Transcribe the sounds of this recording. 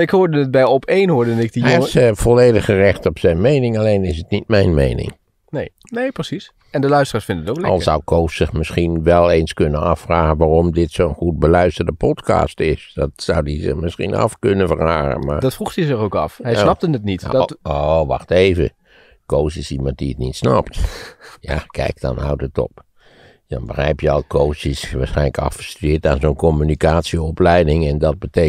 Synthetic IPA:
ɪkhoːɹdənət̚bɛjɔpʰejnɦoɹdnɪk̚disəvɔleːdəxərɪxtɔpsɛjnmejnɪŋalejnɪs̬ətnit̚mɛjnmḛjnɪ̰ŋ | nej | nejprəsis | ɛndəlœɥstəraːɹsfɪndənətoklɑ̰lˠsʌ̰wkʰowssɪxmɪsxinʋɛlˠejnskønənɑfraːɣənʋaːrɔmdɪtsoːənχut̚bəlœɥstərdəpɔtkɑ̰ːstɪsdɔtsawdizə̰mɪsxḭnɑ̰fkønəvəraːɣə̰nma̰rdɔtfruxtizɪɣowkɑfhɛjsnɑp̚tənətnitoʋɑxteːvə̰ | koːsɪsimɑ̃nt̚diətnitsnɑptjakʰɛ̰jk̚dɔ̰nha̰wtətɔ̰p | dɔ̰nbəxɛjpjəɔlˠkʰoːsisʋaːsxɛɪnləkɑ̰ffəstyɪətaːnzoːnkɔmynikaːtsjəɔplɛjdɪŋɛndɔt̚bəte

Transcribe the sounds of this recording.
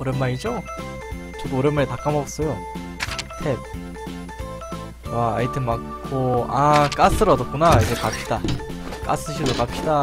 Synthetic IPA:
oɾenmːaɾid͡ʑo | t͡ɕʌdooɾenmaɾitak͈amʌɡʌs͈ʌjo | tʰep̚ | waaitʰɯmakʰoak͈as͈ɯɾʌdok͈unaid͡ʑe̞kap̚ɕ͈id̥ak͈a̰s͈ɯɕʰidokap̚ɕ͈ida

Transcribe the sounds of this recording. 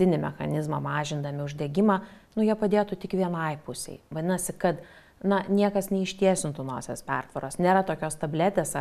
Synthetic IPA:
t̪ʲɪnʲɪmʲɛxɐ̰nʲɪzmɐmɑːʒʲɪnd̪ɐmʲɪʊʒʲd̪ʲɛɡʲɪmɑːnʊjiɛpɐd̪ʲeːt̪ʊt̪ʲɪkʋʲiɛnɐɪpʊsʲɛ̰ɪʋɐd̪ʲɪnɐsʲɪkɐt̪ | nɐnʲiɛkɐsnʲɛɪʃʲt̪ʲiɛsʲɪnt̪ʊno̰ːsʲeːspʲɛrt̪ʋɐɾoːsnʲeːɾɐt̪oːkʲoːst̪ɐbʲlʲæt̪ʲeːsɐ

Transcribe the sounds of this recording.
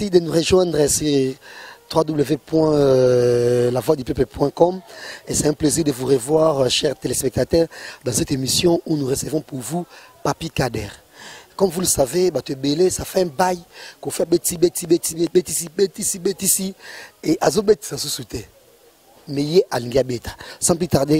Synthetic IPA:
sid̪ənuʁeʒwɛ̃d̪ʁəsɛ | t̪ʁwad̪ubləvepwɛ̃ | lavwad̪ypøplpwɛ̃kɔmesɛɛ̃pleziʁd̪əvuʁevwaʁʃɛʁt̪elespɛk̚t̪at̪ɛʁd̪ɑ̃sɛt̪emisjɔ̃unuʁesevɔ̃puʁvupapikadɛʁ | kɔmvuləsavebat̪əbelesafɛɛ̃bajkofɛabet̪ibet̪ibet̪iebet̪isibet̪isibet̪isieʔazobet̪i̥sasusut̪e | mɛjeʔalĩŋɡeabet̪ʰḁsɑ̃plit̪aʁd̪e

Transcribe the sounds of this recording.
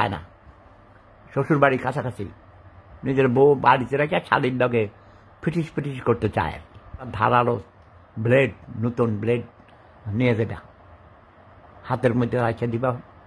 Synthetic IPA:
aena̰ | ʃoʃuɾbaɽikat͡ʃʰakat͡ɕʰḭ | nid͡ʑeɾbobaɽit̪eɾakat͡ʃʰa̰lidlɔɡe | b̥ɾiʈiʃpɾiʈiʃkoɾt̪et͡ɕa̰ḛad̪ʱa̰ɾalo | bleɖnut̪unbleɖ | nijed͡ʑaba̰ | hat̪eɾmod̪ʱːeɾakʃʰad̪iba

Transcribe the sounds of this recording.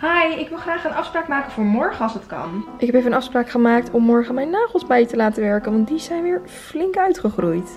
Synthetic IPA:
hajɪkʋɪlˠχraːχənɑfspraːkmaːkənvʊːɹmɔɹχəɑlˠsətkɑ̰nʔɪkɦɛpejfənənɑfspraːkχəmaːk̚tɔmːɔɹχəmɛjnːaːχəlˠzbɛjtəlaːtəʋɛɹkənʋɑnt̚dizɛjnʋɪːɹ | flɪŋkœɥtχəχrujt

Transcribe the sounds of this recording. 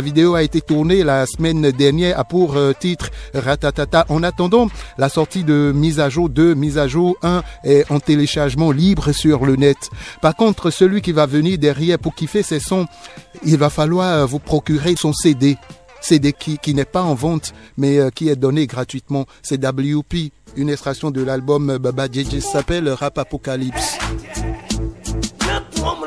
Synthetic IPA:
vid̪eoaet̪et̪uʁnelasəmɛnd̪ɛʁnjɛːʁapuʁt̪it̪χʁat̪at̪at̪aʔɑ̃nat̪ɑ̃d̪ɑ̃lasɔʁt̪id̪əmizaʒod̪ømizaʒoɛ̃ɛɑ̃t̪eleʃaʁʒmɑ̃libʁəsyʁlənɛt̪paʁkɔ̃t̪χəsəlɥikʲivavəniʁd̪ɛʁjɛʁpuʁkifɛsɛsɔ̃ilvafalwaʁvupχɔkʲyʁesɔ̃sed̪e | sed̪ekʲikʲinɛpaɑ̃vɑ̃t̪mɛkʲiɛd̪ɔneɡʁat̪ɥit̪mɑ̃sɛd̪abliupiynɛst̪χasjɔ̃d̪əlalbɔmbabad͡ʒed͡ʒisapɛlʁapapɔkalips

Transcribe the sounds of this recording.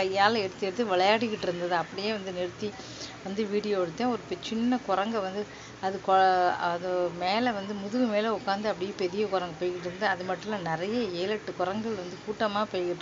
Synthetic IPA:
kɐjːaːlɐɛɽɯt̪ːɪɾɐðɯʋɪɭɐjaːɽɪkːɪʈːɪɾɯnd̪ɐðɯɐpːɐɽɪjeːʋɐnd̪ɯnɛɾɯt̪ːi | ʋɐnd̪ɯʋiːɽɪjoːɛɽɯt̪ːẽːɔɾɯpɛt͡ʃɪnːɐkɔɾɐŋɡɐʋɐnd̪ɯ | ɐðɯkɔɐðɐmeːlɐʋɐnd̪ɯmʊðɯʋɯmeːlɐʊkːaːnd̪ɯɐpːɐɽɪjepɛɾɪjɐkɔɾɐŋɡɐpoːjkɪʈːɪɾɯnd̪ɯɐðɯmɐʈːɯlãːnɪɾɐjɐeːlɐʈːɯkɔɾɐŋɡɐɭʋɐnd̪ɯkuːʈːɐmaːpoːjɣɪʈː

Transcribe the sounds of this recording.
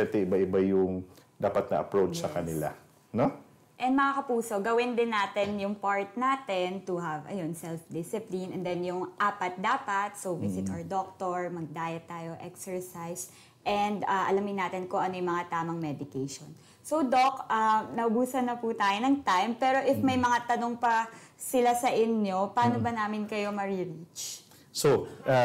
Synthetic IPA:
ɛt̪ɛɪbaʔɪbajʊŋd̪aːpɐt̪nɐʔɐpɹowt͡ʃsɐkɐnɪla̰ | no | ʔɛ̃nd̪mɐŋakɐpuːso̞ɡɐwɪnd̪ɪnːaːt̪ɛnjʊŋpaɹt̪̚naːt̪ɛnt̪ʊɦɐvʔɐ̰jonsɛlfd̪ɪsɪplinʔɛnd̪ɛnjʊŋʔaːpɐt̪̚d̪aːpɐt̪̚sowvɪsɪt̪ʔawɛd̪ok̚t̪oɹmɐɡ̚d̪aːjɐt̪ːaːjoʔɛksɛɹsajs | ʔɛnd̪aʔɐ̰lɐmɪnːaːt̪ɪnkʊŋʔɐnojmɐŋat̪aːmɐŋmɛd̪ɪkejʃon | so̞wd̪okʔanɐʔʊbuːsɐnːɐput̪aːjonɐŋt̪ajmpɛːɾo̞ʔɪfmɐjmɐŋat̪ɐnoŋpɐsɪlasɐʔɪnjo̞paːnobɐnaːmɪnkɐjo̞mɐɹɪɹit͡ʃ | soʔa

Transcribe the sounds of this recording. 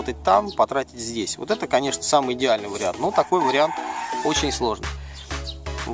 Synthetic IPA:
ot̪ət̚ʲt̪ampɐt̪ɾatʲɪ̥tʲzʲdʲesʲvot̪ɛt̪əkɐnʲe̞ʂnəsamɨjɪdʲɪalʲnɨjvəɾʲɪant̪not̪ɐko̞jvəɾʲɪant̪o̞t͡ɕɪnʲslˠo̞ʐnɨ̰j

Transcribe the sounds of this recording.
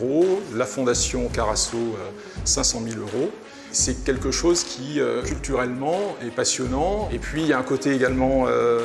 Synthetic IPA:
ʁolafɔ̃d̪asjɔ̃kaʁasoø | sɛ̃sɑ̃miløʁo | sɛkʲɛlkəʃozkʲʰiøkʲylt̪yʁɛlmɑ̃ɛpasjɔnɑ̃epɥijaɛ̃kot̪eeɡalmɑ̃ø

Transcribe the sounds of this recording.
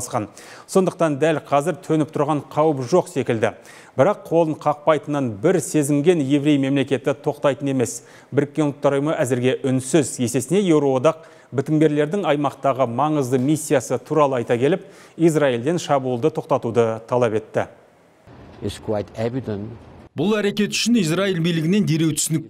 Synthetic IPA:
sqɑn | so̞nd̪əq̚t̪ɑnd̪ælqʰɑzɪɾt̪ʰɵnɪp̚t̪ʰʊɾʁɑɴqʰɑwəpʒo̞qse̞kʲɪld̪ɪ | bɪɾɑqʰːo̞lˠəɴqʰɑq̚pɑjt̪ənɑnbɪɾse̞zɪŋɡʲe̞nje̞vɾe̞jme̞mle̞kʲe̞t̪ɪt̪ʰo̞qt̪ɑjt̪əne̞me̞s | bɪɾɪkʲːeʊlˠt̪ːɑɾʊjəməʔæzɪɾɡʲe̞ʔʏnsɪzje̞se̞sɪne̞je̞wɾo̞wod̪ɑq̚ | bɪt̪ɪŋbʲe̞ɾle̞ɾd̪ɪŋɑjmɑqt̪ɑʁəmɑɴəzd̪əmisʲːijasət̪ʰuɾɑlˠəɑjt̪ɑkʲʰe̞lɪp̚ijsraild̪e̞nʃɑbuːlˠd̪ət̪ʰo̞q̚t̪ɑt̪ud̪ət̪ʰɑlˠɑpe̞t̪ːɪ̰ | ɪtskʰwajtævidə̃nbʊlˠæɾe̞kʲe̞t̪ʏ̥ʃɪnijsraijlbijlɪɡʲɪne̞nd̪e̞ɾe̞wt̪ʰʏ̥sɪnɪk̚

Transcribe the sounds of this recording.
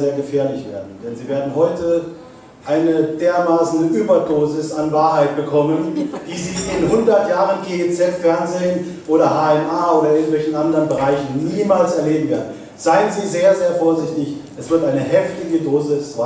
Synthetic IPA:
zeːɐɡəfeːɐlɪçv̥eːɐdn̩d̥ɛnziːveːɐdn̩hɔʏtə | ʔaɪnəd̥eːɐmaːsn̩əʔyːbɐdoːzɪsanvaːɐɦaɪt̚b̥əkʰɔmənd̥iːziːɪnhʊndɐtjaːʁənɡeːɛt͡sɛtfɛɐnzeːən | ʔoːɾɐhaːɛmaːoːɾɐɪɐɡŋ̩tv̥ɛlçn̩ʔandəʁənbəʁaɪçn̩niːmaːlsɛɐleːbm̩veːɐdn̩ | z̥aɪənziːzeːɐzeːɐfoːɐzɪçtɪçʔɛsv̥ɪɐtʔaɪnəhɛftɪɡədoːzɪsa

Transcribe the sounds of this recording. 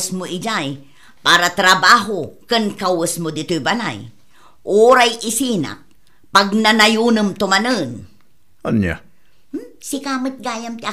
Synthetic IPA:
smʊid͡ʒaj | paːɾat̪ɾabaːɦokənkawəsmʊd̪it̪ujbana̰j | ʔuɾajʔisina̰ʔ̚ | paɡ̚nanajunəmt̪ʊmanən | anja̰ | sikamət̪̚ɡaːjamt̪ia

